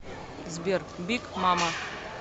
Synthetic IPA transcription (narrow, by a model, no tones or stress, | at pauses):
zbʲerbikmama